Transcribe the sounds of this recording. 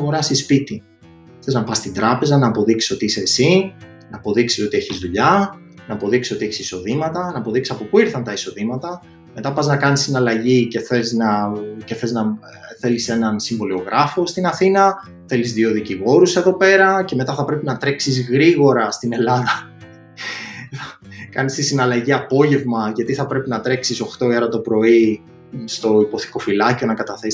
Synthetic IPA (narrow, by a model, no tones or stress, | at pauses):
ɣo̞ɾɐsispit̪i | θe̞znɐpɐst̪ind̪ɾɐpe̞zɐnɐːpo̞ðiksi̥so̞t̪iiseːsi | nɐːpo̞ðiksi̥so̞t̪ie̞çizðuʎɐ | nɐːpo̞ðiksiso̞t̪ieçi̥siso̞ðimɐt̪ɐnɐːpo̞ðiksi̥sɐpo̞puiɾθɐnt̪ɐiso̞ðimɐt̪ɐ | me̞t̪ɐpɐznɐkɐnisinɐlɐʝice̞θe̞znɐce̞θe̞znɐ | θe̞lise̞nɐnsiɱvo̞lio̞ɣɾʔɐfo̞st̪inɐθinɐ | θe̞lizðio̞ðiciɣo̞ɾuse̞ðo̞pe̞ɾɐce̞me̞t̪ɐθɐpɾe̞pinɐt̪ɾe̞ksizɣɾiɣo̞ɾɐst̪ine̞lɐðɐ | kɐnist̪isinɐlɐʝiɐpo̞ʝe̞vmɐʝɐt̪iθɐpɾe̞pinɐt̪ɾe̞ksiso̞xt̪o̞iɐɾɐt̪o̞pɾo̞i | st̪o̞ipo̞θi̥ko̞filɐcio̞nɐkɐt̪ɐθes